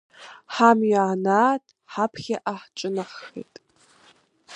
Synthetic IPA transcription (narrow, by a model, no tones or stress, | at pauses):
ħamjʕnaːtʼ | ħapʰχʲaʔaħt͡ʃʼɨnaχḛjtʼ